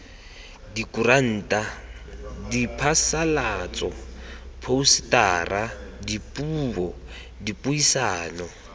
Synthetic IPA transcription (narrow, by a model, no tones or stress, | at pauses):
dikuran̩ːtʼa | dipʰasalat͡sʼɔpʰousi̥taːrʔadipʼuːbɔ | dipʼuisaːnɔ